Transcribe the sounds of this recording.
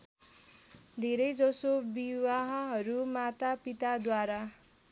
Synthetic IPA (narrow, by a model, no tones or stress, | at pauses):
d̪ʱeɾʌjd͡zʌsobiwaɦʌɦʌɾumat̪apit̪ad̪waɾa